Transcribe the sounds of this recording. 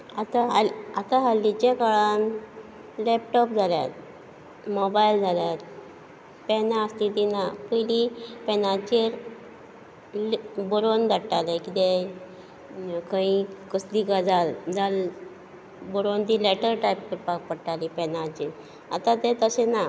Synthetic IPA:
at̪aɦalat̪aɦalːit͡ɕẽkaɭan | lɛp̚ʈɔpd͡zʱalja̰t̪̚ | mɔbajld͡zʱaljat̪̚ | pɛnãəst̪it̪inapəlipɛnat͡ɕiɾ | lbɔɾond̪ʱəʈːalɛ̃kit̪ɛ̃ | kãikəslikad͡zald͡zal | bɔɾont̪ilɛʈəɾʈajpkəɾpak̚pəɽʈalipɛnat͡ɕiɾ | a̰t̪ãt̪ɛt̪əɕɛna

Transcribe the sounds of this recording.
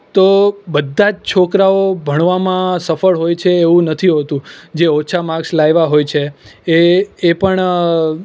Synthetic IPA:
t̪obəd̪ʱːad͡ʒt͡ʃʰokɾaobʱəɳ̃ʋamãsəfəɭɦojt͡ʃʰeːʋũnət̪ʰiɦot̪ũd͡ʒeot͡ʃʰamãkslajʋaɦojt͡ʃʰeeːpəɳ

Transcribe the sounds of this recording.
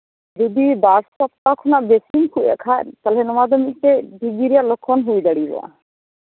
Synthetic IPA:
dud̪ibaɾsɔp̚t̪akʰɔnaʔbesinkʰuʔa̰ʔkʰat̪alɛnɔmad̪ɔmik̚tebʱiɡiɾijalɔkʰːɔnɦujd̪aɽibɔ̰a̰

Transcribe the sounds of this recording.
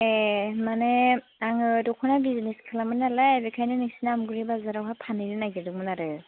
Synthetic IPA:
emane | aŋɯdɔkʰɔnabizneskʰalamɯnalabikʰajnɯniksinamɡɯɾibazaɾawhapʰaninɯnaɡidɯmɯnaɾɯ

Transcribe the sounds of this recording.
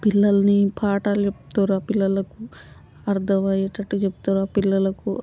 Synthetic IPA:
pilːɐlɐnipʰaːʈalt͡ʃept̪oːɾaːpilːɐlɐku | ɐɾd̪ʱɐʋaːjeʈɐʈːit͡ʃep̚t̪oːɾaːpilːɐlɐku

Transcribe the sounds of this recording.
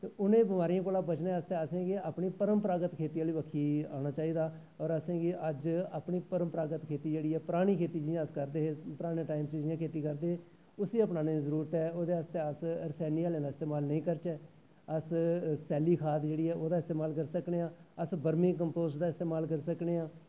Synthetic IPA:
t̪eʊnẽːbɪmaːɾijãːkoːlãːbət͡ʃnẽːəst̪eːəsẽːɡeaːpɳiːpəɾəmpəɾaːɡət̪kʰeːt̪iːaːliːʋəkʰːiːa̰ːɽ̃aːt͡ʃaːiːd̪aː | ɔːɾəsẽːɡiʔəd͡ʒaːpɳiːpəɾəmpɾaːɡət̪kʰeːt̪iːd͡ʒeːɽiːɛːpəɾaːɽ̃iːkʰeːt̪iːd͡ʒɪjãːəskəɾd̪eːɦeːpəɾaːɽ̃ẽːʈaːɪmt͡ʃd͡ʒɪjãːkʰeːt̪iːkəɾd̪eːɦeː | ʊsiːəpnaːnẽːzəɾuːɾət̪ɛːoːd̪eːəst̪eːəsəɾsɛːniːaːlẽːnaːɪst̪eːmaːlnəĩːkəɾt͡ʃɛː | əssɛːliːkʰaːt̪d͡ʒeːɽiːɛːoːd̪aːɪst̪eːmaːlkəɾsəkneːãːəsbəɾmĩːkəmpoːzʈd̪aːɪst̪eːmaːlkəɾsəkneːãː

